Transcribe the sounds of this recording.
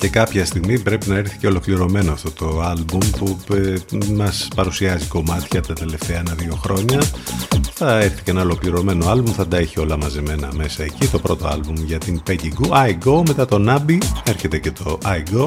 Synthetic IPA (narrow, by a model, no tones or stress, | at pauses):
ce̞kɐpçɐst̪iɣmipɾe̞pinɐe̞ɾθi̥ce̞o̞lo̞kliɾo̞me̞noɐft̪o̞t̪o̞ɐlbumpu | mɐspɐɾusiɐziko̞mɐt̪çɐt̪ɐt̪e̞le̞ft̪e̞ɐenɐðio̞xɾo̞ɲɐ | θɐeɾθi̥ceenɐolo̞kliɾo̞me̞no̞ɐlbumθɐd̪ɐeçio̞lɐmɐzeme̞nɐ̰me̞sɐe̞cit̪o̞pɾo̞t̪o̞̰ɐ̰lbumʝɐt̪inpeɟiɡuɐiɡo̞me̞t̪ɐt̪o̞nɐbie̞ɾçe̞t̪ece̞t̪o̞ʔɐiɡo̞